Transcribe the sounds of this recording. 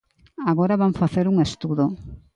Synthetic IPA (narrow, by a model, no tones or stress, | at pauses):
aɣoɾaβaɱfaθeɾuŋest̪uðo